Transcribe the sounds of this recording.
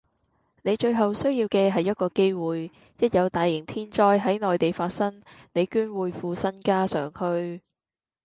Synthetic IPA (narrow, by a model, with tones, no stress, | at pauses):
ne˨˧jt͡ʃɵ˧ɥɦɐ˨wsɵ˥ɥjiː˧wkɛː˧ɦɐ˨jːɐ˥t̚kɔː˧ke˥jwuː˨j | jɐ˥t̚jɐ˨˧wt̪aː˨jːɪ˨˩ŋt̪ʰiː˥nt͡ʃɔː˥jɦɐ˨˥jnɔː˨jt̪e˨jfaː˧t̚sɐ˥ŋne˨˧jkyː˥nwuː˨˧jfuː˨˧sɐ˥nkaː˥sœː˨˩ŋhɵ˧ɥ